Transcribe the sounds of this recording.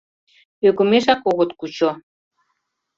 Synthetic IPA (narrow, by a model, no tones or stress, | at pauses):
øɣə̆meʃɑkoɣot̪kut͡ɕo